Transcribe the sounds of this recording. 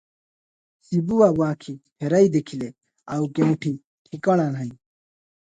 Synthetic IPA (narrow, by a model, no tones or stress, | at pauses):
sibuwawwaːkʰiheɾɐid̪ekʰile | ɐwkemuʈʰi | ʈʰikɐɽanɦɐji